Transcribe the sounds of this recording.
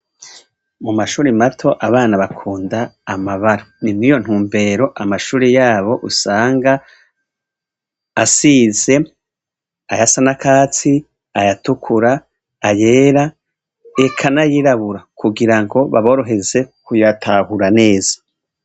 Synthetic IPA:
mumaʃuːɾimatʰo̞ʔaβaːnaβakʰuːndaːmaβaɾanimijo̞n̥huːmbe̞ɾo̞ʔamaʃuːɾejaːβo̞ʔusaːŋɡa | siːze̞ | ajasanakʰaːt͡si | ajatukʰuɾaː | je̞ːɾa | ekʰanajiɾaβuɾakʰuɡiɾaŋɡo̞βa̰βo̞ɾo̞ɦe̞ze̞kujatʰahuɾane̞ːzḁ

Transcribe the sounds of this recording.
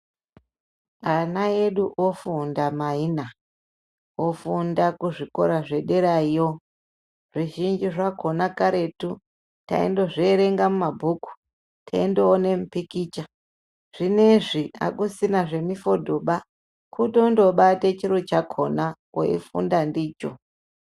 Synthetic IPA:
anae̞ɗuʔofundamaina | ofundakuʐiko̞̰ɾaʐe̞ɗeɾaijo | ʐiʒind͡ʒiʐakʰo̞nakaɾe̞tu | ta̰ḛndoʐeɾe̞ŋɡamumabʱuku̥ | tʰaendoone̞mupikit͡ʃa | ʐ̥ine̞ʐia̰kusinaʐe̞mifo̞dʱo̞ɓa | kuto̞ndo̞ɓatet͡ʃiɾot͡ʃakʰona | o̰ḭfṵndandiːt͡ʃo̰

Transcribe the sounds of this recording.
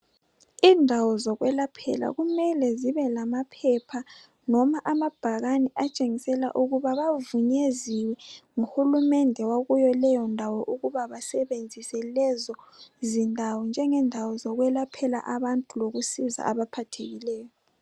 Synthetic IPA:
iːndʱawɔzɔɣwɛlapʰɛ̰la̰ɣumɛlɛziβɛlamapʰɛpʰa | nɔmaʔamab̥ʱaɣanɛʔat͡ʃʼeŋisɛla̰ʔuɣuβaβavuɲeziwɛŋuhulumɛndʱɛwaɣujɔlɛjɔndʱawɔʔuɣuβaβasɛβend͡zʱisɛlɛzɔzindʱawɔnd͡ʒʱɛŋɛndʱawɔzɔɣwɛlapʰɛla̰ʔaβantʼuloɣusiza̰ʔaβapʰatʰeɣilɛːjɔ

